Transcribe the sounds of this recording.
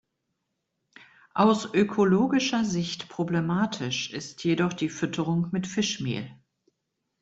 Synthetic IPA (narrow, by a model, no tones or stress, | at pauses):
ʔaʊsʔøkʰoloːɡɪʃɐzɪçtpʁ̥oblemaːtʰɪʃʔɪstʰjedɔχd̥iːfʏtʰəʁʊŋmɪtfɪʃmḛːl